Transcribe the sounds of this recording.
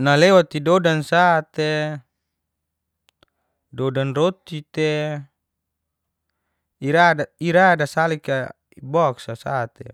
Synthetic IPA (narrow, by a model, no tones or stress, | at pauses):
nalewat̪idodansat̪e | dodanrot̪it̪e | iɾaaiɾadasalika | ibɔksasat̪e